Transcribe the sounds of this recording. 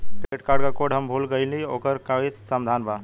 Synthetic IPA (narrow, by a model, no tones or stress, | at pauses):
beʈkaːɾɖkakoɖɦəmbʱulɡəjlio̰kəɾkaitsəmd̪ʱanbʱa